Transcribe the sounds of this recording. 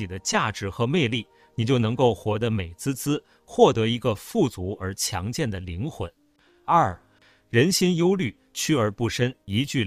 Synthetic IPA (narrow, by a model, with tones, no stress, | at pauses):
i˨˩d̪ə˦t͡ɕja˥˩ʈ͡ʂɻ̩˧˥xɤ˧˥me˥˧ɪli˥˩ | ni˨˩t͡ɕjo˥˩ʊnɤ˧˥ŋko˥˩ʊxwɔ˧˥d̪ə˧me˨˩ɪt͡sɹ̩˥t͡sɹ̩˥ | xwɔ˥˩t̪ɤ˧˥i˧˥ɡə˧fu˥˩t͡su˧˥ə˞˧˥t͡ɕʰjɑ̰˧˥ŋt͡ɕjɛ˥˩nd̪ə˩li˧˥ŋxwə˧˥˦n | ɐ˞˥˩ | ɻə˧˥nɕi˥njo˥ʊly˥˩ | t͡ɕʰy˥ə˞˧˥pu˥˩ʂə˥ni˧˥t͡ɕy˥˩